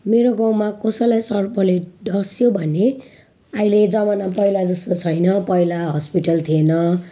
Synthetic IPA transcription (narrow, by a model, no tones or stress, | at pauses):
meɾoɡãw̃makʌsʌlajsʌrpʌleɖʌsjobʱʌne | ailed͡zʌmanapʌjlad͡zʌst̪ot͡sʰʌjnʌpʌjlaɦʌspiʈʌlt̪ʰienʌ